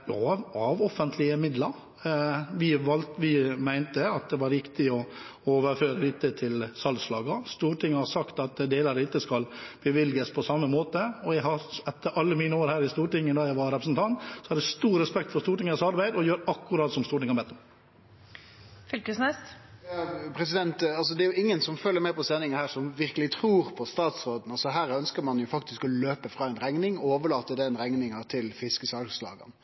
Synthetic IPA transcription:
ɑʋɔfənt̪ʰlɪəmɪd̪ləɾ | ʋɪʋɑlt̪ʋɪmæɪnt̪əɑt̪̚d̪ɛʋɑɾʋɪkt̪ɪɔoːʋəɾføːɾəlɪt̪ːət̪ʰɪlsɑlslɑːɡɑst̪uːʈʰɪŋːəhɑɾsɑkt̪ɑt̪d̪eːləɾəɪt̪ːəskɑlb̥əʋɪljəspʰɔsɑmːəmoːt̪əɔjæɪɦɑɾɛt̪ːəɾʔɑlːəmiːnəoːɾhæːɾɪst̪uːʈɪŋːəd̪ɑːjæɪʋɑɾɛpɾəsnt̪ʰɑnt̪sɔhɑɾæst̪uːɾɾɛspɛk̚t̪fɔɾst̪uːʈɪŋəsɑɾbæɪd̪ɔjøːɾɑkːʊɾɑːt̪sɔmst̪uːɾʈɪŋːɑbɛt̪ːɔm | fʏlkəsnɛst̪ɑpʰɾɛsɪd̪ɛnt̪ɑls̬ɔd̪ɛɾjʊɪŋːənsɔmfœlːəɾmɛːpɔsɛnːɪŋəhæːɾʂɔmʋɪɾkəlɪt̪ʰɾuːɾpʰɔst̪ɑːt̪sɾoːd̪n̩ɑlsɔɦæːɾœnskəɾmɑnjʊfɑk̚t̪ɪskɔløːpəfɾɑːɛnɾæŋnɪŋoːʋəɭɑːt̪ːəd̪ɛɛnɾæŋnɪŋɑt̪ʰɪlfɪskəsɑlslɑ̰ːɡə̰n

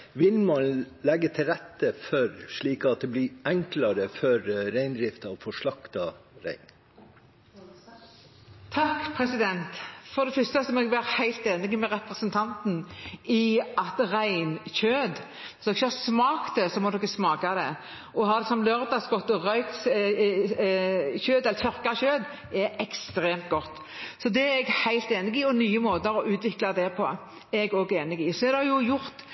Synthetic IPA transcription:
ʋɪlmɑnlɛɡːət̪ʰɪlɾɛt̪ːəfœɾʂɭiːkɑt̪̚d̪ɛblɪʔɛŋklɑɾəfœɾɾæɪnd̪ɾɪft̪ɑʋfɔʂɭɑkt̪ɑɾæ̰ɪn | t̪ʰɑkpʰɾɛsɪd̪ɛnt̪fɔɾd̪ɛfʏst̪əsɔmɔɛɡbæːʁhæɪlt̪eːnɪɡəmɛɾɛpɾəsənt̪ʰɑnt̪n̩ɪɑt̪ʁæɪnçøːd̪ | ɪsd̪ɔkçəɑsmɑːkt̪̚d̪ɛsɔmɔd̪ɔkːəsmɑːkɑd̪ɛ̰ | ɔɦɑd̪ɛsɔmlœɾd̪ɑsɡɔt̪ːɔʁœʏks | çøːd̪ɛlːəɾt̪ʰœɾkɑɕøːd̪ | ɛɾɛkst̪ɾeːmt̪ɡɔt̪ː | sɔd̪ɛæɛɡhæɪlt̪eːnɪɡɪɔnyːəmoːt̪əɾɔʔʉːt̪ʋɪklɑd̪ɛpʰɔ | ɛɾɛɡɔːɡeːnɪɡɪsɔɛd̪ɛhɑjʊjʊɾt̪

